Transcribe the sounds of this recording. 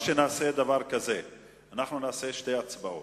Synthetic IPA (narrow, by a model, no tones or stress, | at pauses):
ʃenaːsed̪avaʁkaze | anaχnunaːseʃte̞jat͡sbao